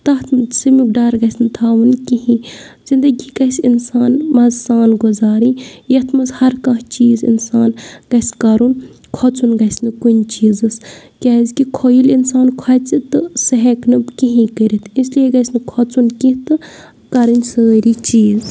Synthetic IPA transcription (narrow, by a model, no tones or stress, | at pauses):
t̪ɐt̪ʰmsɨmik̚ɖɐɾɡɐsʲnɨt̪ʰaːʋɨnkiɦĩ | zind̪ɐɡʲiɡɐsʲinsaːnmɐzsaːnɡuzaːɾijɐt̪ʰmɐzhɐɾkɐ̃ɦt͡ʃiːzḭnsaːnɡ̥ɐskɐɾun | kʰɔt͡sunɡɐsnɨkunʲt͡ʃiːzɨskʲazkikʰojilinsaːnkʰɔɐt͡sit̪ɨsɐɦeknɨbkiɦĩkəɾit̪ʰislieɡɐsnɨkʰɔt͡sunkit̪ɨ | kɐɾɨnʲsəːɾit͡ʃiːz